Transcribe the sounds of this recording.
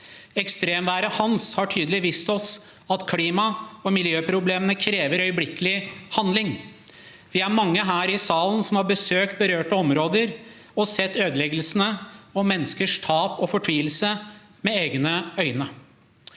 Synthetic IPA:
ɛkst̪ɾeːmʋæːɾəhɑnshɑʈʰyːd̪əlɪʋiːst̪ɔs | ɑt̪kʰliːmɑɔmɪljøːpʰɾʊbleːmənəkʰɾeːʋəɾœʏəblɪkːəlɪhɑnd̪lɪŋ | ʋɪæɾmɑŋːəɦæːɾɪsɑːlənsɔmhɑɾbəsøːk̚t̪̚bəɾøːʈəɔmɾoːd̪əɾ | ɔsɛt̪ːøːd̪əlɛɡəlsənəɔmɛnːəskəʂt̪ʰɑːpɔfɔʈʰʋiːəlsə | mɛeːɡnəœʏnə

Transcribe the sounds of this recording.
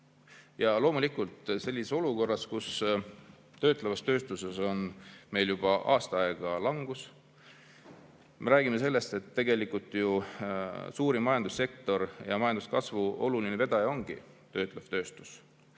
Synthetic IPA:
jɑlo̞ːmulikˑult̪ˑse̞lʲːiseso̞luko̞rːɑskus | t̪ø̞ːt̪ˑlevɑst̪ø̞ːst̪use̞so̞nme̞jljub̥ɑʔɑːst̪ɑɑeɡ̥ɑlɑŋɡ̥us | mʔe̞ɾæːɡ̥ime̞se̞lːe̞st̪e̞t̪ːe̞ɡe̞likult̪ˑju | suːɾimɑjɑnd̪̥usːe̞k̚t̪o̞ɾjɑmɑjɑnd̪uskɑsvuo̞lulineve̞d̪̥ɑjo̞ŋɡ̥ḭ | t̪ø̞ːt̪ˑlev̥t̪ø̞ːst̪u̥s

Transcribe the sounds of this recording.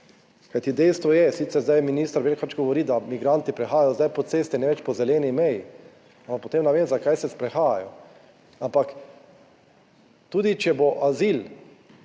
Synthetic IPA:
kajt̪id̪ɛjst̪ʋɔjɛsit̪sɛɾzd̪ajminiːst̪aɾʋeːlkat͡ʃɡɔʋɔɾiːd̪amiɡɾant̪ipɾɛxaːjajɔzd̪ajpɔt̪seːst̪ɛnɛʋɛt͡ʃpɔzɛlɛːnimɛji | ampakpot̪eːmnɛʋeːmzakajsɛspɾɛxaːja̰jɔ | ampak | t̪uːd̪it͡ʃɛboʔaziːl

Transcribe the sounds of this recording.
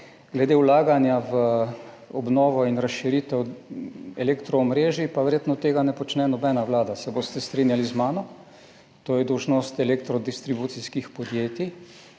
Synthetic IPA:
ɡlɛd̪ewlaːɡanjaʋə | ɔbnɔːʋɔinɾasʃiɾit̪ɛw | ɛlekt̪ɾɔːmɾeːʒipaʋɛɾjet̪nɔt̪ːeːɡanɛpɔt͡ʃnɛnɔbɛnawlaːd̪asɛboːst̪ɛst̪ɾinjalizmaːnɔ | t̪oːjɛd̪ɔwʒnost̪ɛlek̚t̪ɾɔd̪ist̪ɾibut̪siskixpɔd̪jeːt̪i

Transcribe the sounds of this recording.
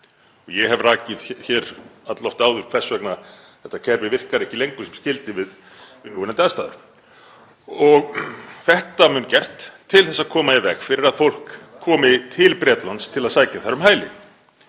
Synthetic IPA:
ɔɣjɛɦɛvraːcɪðçɛːɾat̪lɔft̪aːwðʏɾ̥kʰɛsːvɛkna | θɛht̪ːacʰɛɾvɪvɪr̥kaɾɛhcɪlejŋkʏsɛmscɪlt̪ɪvɪð | vɪnuvʏnɛnt̪ast̪aːðʏ̰ɾ̥ | ɔɣθɛht̪amʏncɛr̥t̪ʰːɪlθɛsːaðkʰɔːmajɛvɛxfɪɾɪɾaðfowl̥kʰːɔːmɪt̪ʰɪlpɾjɛːt̪lanst̪ʰɪlaðsaːjcaθaɾʏmɦaːjlɪ̰

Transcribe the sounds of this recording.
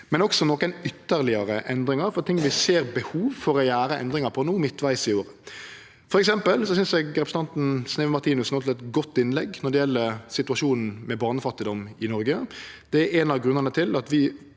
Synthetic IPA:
mɛnɔksɔnɔkənʏt̪ːəɾlɪɑɾəʔɛnd̪ɾɪŋɑɾfɔt̪ʰɪŋːʋɪseːɾbəhuːʋfɔɾɔjæːɾəɛ̰nd̪ɾɪŋɑɾpʰɔnuːmɪt̪ːʋæɪsɪoːɾə | fɔɾɛksɛmpəlsɔsʏnsɛɡɾɛpɾsəɑnt̪n̩snɛːʋmɑʁt̪ʰiːnʉsnoːt̪ɪlɛt̪ɡɔt̪ːɪnlɛɡːnɔɖ̪ɛjɛlːəɾsɪt̪ʉɑʂuːnn̩mɛbɑːnəfɑt̪ːɪd̪ɔmɪnɔɾɡəd̪̥ɛɾɛnɑʋɡɾʉnːəʁnət̪ʰɪlɑt̪ʋɪ

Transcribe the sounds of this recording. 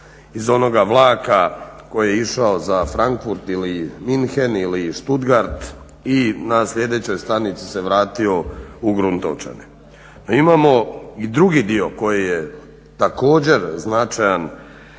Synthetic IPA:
izo̞no̞ɡaʋlˠaːkako̞jijeiʃao̞zafɾaŋkfuɾt̪iliminxeniliʃt̪ud̪ɡaɾt̪ | inaslʎʲe̞d̪e̞t͡ɕo̞jst̪anit̪si̥seʋɾaːt̪io̞uɡɾunt̪o̰t͡ʃḛne | noimaːmo̞id̪ɾuɡid̪io̞ko̞jije | t̪ako̞ːd͡ʑe̞ɾznat͡ʃajan

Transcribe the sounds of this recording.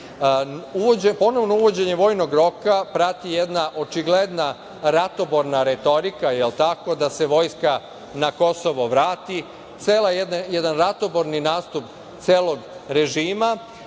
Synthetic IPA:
uoepo̞no̞ʋnouʋo̞d͡ʑe̞ɲe̞ʋo̞jno̞ɡɾo̞kapɾat̪ijed̪naʔo̞t͡ʃiɡled̪na | ɾat̪o̞bo̞ɾnaɾe̞t̪o̞ɾikajelt̪ako̞d̪ase̞ʋo̞ːjska | nako̞so̞ʋo̞ʋɾaːt̪i | t̪seːlajed̪njed̪anɾat̪o̞bo̞ɾninaːst̪up | t̪seːlˠo̞ɡɾe̞ʒiːma

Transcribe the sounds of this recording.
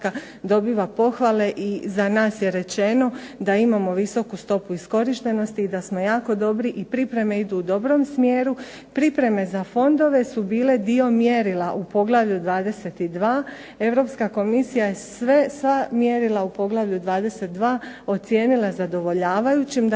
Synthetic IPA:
ka | d̪o̞biːʋapo̞xʋale̞ʔizanaːsje̞ɾe̞t͡ʃe̞no̞d̪aimamo̞ʋiso̞kust̪o̞puisko̞ɾiʃt̪e̞no̞st̪iːd̪asmo̞jaːko̞d̪o̞bɾiʔipɾipɾe̞me̞id̪uːd̪o̞bɾo̞msmjeːɾu | pɾipɾe̞me̞zafo̞nd̪o̞ʋe̞subiːle̞d̪io̞mjeɾilaʔupo̞ɡlˠaʋʎud̪ʋaːd̪e̞se̞t̪id̪ʋaː | e̞ʋɾo̞pskako̞misijajesʋe̞sʋamje̞ɾilˠaupo̞ɡlaʋʎud̪ʋaːd̪e̞set̪̚d̪ʋaːo̞t̪sje̞ːnilˠazad̪o̞ʋo̞ʎaːʋajut͡ɕimd̪

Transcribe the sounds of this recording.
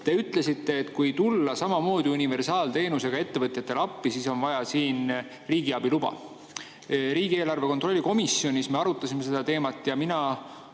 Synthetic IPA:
t̪e̞yt̪ˑle̞sit̪ːe̞ːt̪kujt̪ulːɑsɑmɑmo̞ːd̪̥iunive̞rsɑːlt̪e̞ːnuse̞ɡ̥ɑe̞t̪ːe̞vɤt̪ˑjɑt̪ːˑe̞lɑpːisiso̞nvɑjɑsiːn | riːɡ̥iɑb̥ilub̥ɑ̰ | ɾiːɡ̥ie̞ːlɑrve̞kont̪ˑro̞lʲːiko̞misːio̞nisme̞ɑɾut̪ːˑɑsime̞s̬e̞d̪ɑt̪e̞ːmɑt̪ːˑjɑminɑ

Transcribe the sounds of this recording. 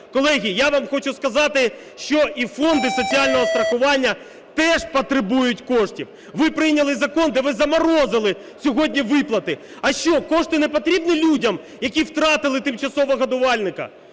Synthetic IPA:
kɔlˠɛɦʲijaʋɑmxɔt͡ʃʊskɐzɑt̪ɪ | ʃt͡ʃɔʔifɔnd̪ɪsɔt͡sʲiɑlʲnɔɦɔst̪ɾɐxʊʋɑnʲːɐ | t̪ɛʒpɔt̪ɾɪbujʊtʲkɔʂtʲiw | ʋɪpɾɪjnʲɐlˠɪzɐkɔnd̪ɛʋɪzɐmɐɾɔzɪlˠɪ | sʲɔɦɔdʲnʲiʋɪplˠɐt̪ɪ | ɐʃt͡ʃɔkɔʂt̪ɪnɛpɔt̪ɾʲibnilʲudʲɐm | jɐkʲiwt̪ɾɑt̪ɪlˠɪt̪ɪmt͡ʃɐsɔʋɔɣɐd̪ʊʋɑlʲnɪkɐ̰

